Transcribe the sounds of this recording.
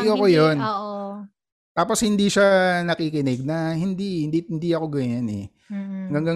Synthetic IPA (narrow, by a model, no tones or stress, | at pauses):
joɐkojonː | t̪aːpo̞shɪnd̪iʃanɐkiːkɪnɛɡ̚nɐhɪnd̪iɪd̪iɪnd̪iʔɐko̞ɡɐɲanɛ̰ | ɐŋɡɐŋɡɐ